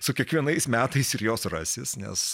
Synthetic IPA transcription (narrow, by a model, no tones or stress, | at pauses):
sʊkʲiɛkʋʲiɛnɐɪsmʲæːt̪ɐɪsɪɾjoːsrɐsʲɪsnʲɛ̰s